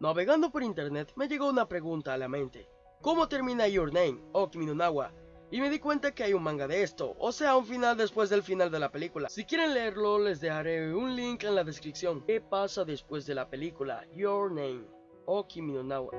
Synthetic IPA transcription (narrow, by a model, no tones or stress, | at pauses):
naβe̞ɣand̪o̞po̞ɾint̪e̞ɾne̞t̪me̞ʝe̞ɣo̞unapɾe̞ɣunt̪aːlamẽnt̪e̞ | ko̞mo̞t̪e̞ɾmĩnaʝoɾnẽjmokiminonawa̰ | ime̞ðikwe̞nt̪ake̞ajunmãŋɡaðeest̪o̞̰ʔose̞auɱfinald̪e̞spwe̞zðelfinald̪e̞lape̞likulasikje̞ɾe̞nle̞eɾlo̞le̞zðe̞xaɾe̞unliŋke̞nlaðe̞skɾipsjo̞ŋkepasaðe̞spwe̞zðe̞lape̞likula̰joɾnẽjm | okiminonawa̰